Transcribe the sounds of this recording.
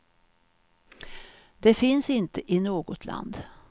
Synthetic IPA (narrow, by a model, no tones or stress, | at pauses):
d̪ɛfɪnsɪnt̪əʔɪnoːɡɔt̪ʰla̰nd̪